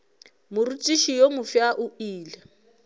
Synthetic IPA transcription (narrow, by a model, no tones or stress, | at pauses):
mʊrut͡ʃʼiʃijomʊfjaʔuiːlɛ